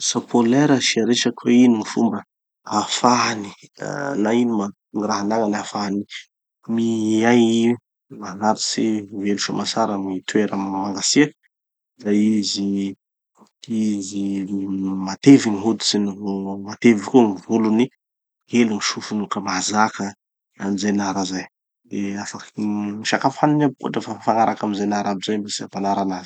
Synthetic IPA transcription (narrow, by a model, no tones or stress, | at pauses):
sapʰoleɾəsiaɾeʃakweiniŋifṵmbə | afanḭnainima | niraɦanaŋanafaani | miaji | manaɾisiveluʃa̰masaɾamit̪weɾəmaŋɡasiak | izajizi | izi | mat̪eviniɦud̪i̥sinimat̪evikumivuluni | ɡeluŋiʃufunukəmazakə | amizajnaɾazaj | d̪eafakiŋiʃakafaninab̚ko̰ʈ͡ʂafafanaɾʔakamizanaɾabizajbasiapanaɾanavi̥